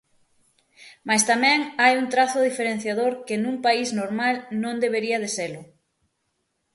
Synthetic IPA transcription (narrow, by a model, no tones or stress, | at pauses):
mast̪amɛ̃ŋajunt̪ɾaθʊðifeɾen̟θjaðoɾkɪnũŋpaiznoɾmalnõŋd̪eβ̞eɾiɐðeselʊ